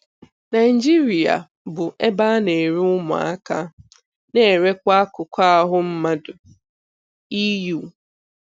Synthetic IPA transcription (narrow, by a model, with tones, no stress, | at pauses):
na˨ɪ˨d͡ʒi˦ɾi˨a̰˨ | bʊ˨ʔe˦ba˦ne˨ɾi˦ʊ˦mʊ̰˨a̰˦ka˦ | ne˦˨e˨ɾe˦kʷa˦kʊ˨kʷa˦a˦˨ɦʊ˦m̩˦ma˦dʊ˨ | i˦ju˨